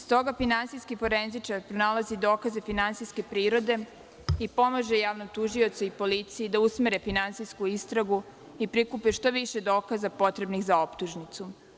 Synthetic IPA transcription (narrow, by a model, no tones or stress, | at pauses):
st̪o̞ɡafinansijskifo̞ɾe̞nzit͡ʃaɾpɾonalazid̪o̞ːkaze̞finantsijske̞pɾiːɾo̞d̪e̞ | ipo̞maʒe̞jaːʋnot̪uʒio̞t̪saipo̞lit̪sijid̪ausmeɾefinansijskuist̪ɾaɡu | ipɾikupeʃt̪o̞ʋiʃe̞d̪o̞ːkazapo̞t̪ɾe̞bnixzao̞pt̪uʒnit̪su